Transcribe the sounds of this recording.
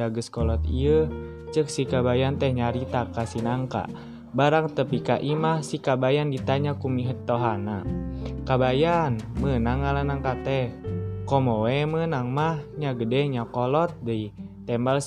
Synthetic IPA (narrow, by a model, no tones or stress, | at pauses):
aɡəskɔlɔt̪̚ḭə | t͡ʃək̚sikabajant̪əhɲaɾit̪akasinaŋka̰ | baɾaŋt̪əpikaʔimahsikabajandit̪aɲakumiɦət̪ːɔɦanakabajanmənaŋalanaŋkat̪ɛhkɔmɔwɛmənaŋmahɲaɡədɛɲakɔlɔt̪̚dəi | t̪ɛmbals